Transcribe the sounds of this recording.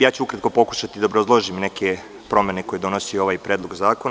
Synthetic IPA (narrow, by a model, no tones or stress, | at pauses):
jaːt͡ɕuukɾat̪̚ko̞po̞ku̥ʃat̪id̪aobɾozlˠoʒimne̞kʰe | pɾo̞mene̞ko̞je̞d̪o̞nosioʋaːjpɾed̪lˠoɡzaːkon